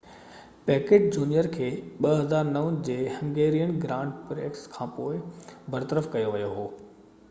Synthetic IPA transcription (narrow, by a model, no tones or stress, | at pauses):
pɛːkeːʈ̚d͡ʑuːnijəɾkʰeːɓɐɦɐzaːɾnɐʋənd͡ʑeːhɐ̃ŋɡeːɾijənɡɾãːʊɳɖpɾeːkskʰãːpoːɪbʱɐɾt̪əɾəfkɐjoʋijoɦoː